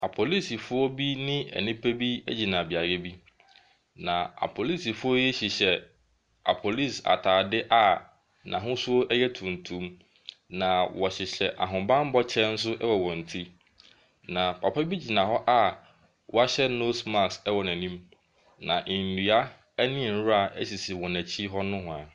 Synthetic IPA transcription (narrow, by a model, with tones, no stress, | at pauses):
a˨pʰo˨li˦si˨fʊ˦ɔ˦bi˦nɪ̃˦ɛ̰˨nĩ˦pʰæ˦bi˦ɛ̰˦d͡ʑi˨nã˨bi˨a˨ɾɛ˦bi˦ | nã˨a̰˨pʰo˨li˦si˨fʊ˦ɔ˦jɛ˦ɕɪ˨ɕɛ˨ | a̰˨pʰo˨li˦˨sa̰˨tʰaː˨dɪ˦ʔa˨ | nã̰˨ɦʊ̃˦sʊ˦ɔ˦ʔɛ˦jɛ˦tʰũ˨n̩˨tʰũ˨˦m | nã˨wɔ˨ɕɪ˨ɕɛ˨ʔa̰˨ɦʊ̃˨bã˦m˦bɔ˦t͡ɕʰɛ˦n̩˦s̬ʊ˦ʔɛ˦wɔ˨wɔ̃˨n̩˨tʰi˦ | nã˨pʰa˨pʰa˦bi˦d͡ʑi˨nã˨ɦɔ˦ʔa˦ | wɔ˦a˦ɕɛ˦no˦sma˦˨ksɛ˦wɔ˨næ̃˨nĩ˦m | nã˨ʔɪ̃˨n̩˨nu˨a˦ | ɛ˦nɪ̃˦˨n̩˦ɾʊ˦a˨ɛ̰˦si˨si˨wɔ˨næ˨t͡ɕʰi˦ɦɔ˦nʊ̃˦ɦʊ̃˨a˨